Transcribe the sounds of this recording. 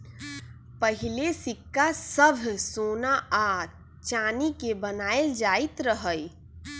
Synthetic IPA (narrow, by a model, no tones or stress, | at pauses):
pəɦɪlesɪkːasəbʱsoːnaa | t͡ʃaːnikebənaːjeld͡ʒaːit̪ɾəɦəj